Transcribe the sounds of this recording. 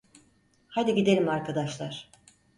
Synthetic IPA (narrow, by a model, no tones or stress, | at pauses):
hajd̪iɟid̪elʲimaɾkad̪aʃlˠaɾ̥